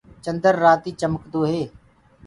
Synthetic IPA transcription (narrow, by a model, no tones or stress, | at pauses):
t͡ʃə̃nd̪əɾːaːt̪iːt͡ʃəməkd̪oːɦeː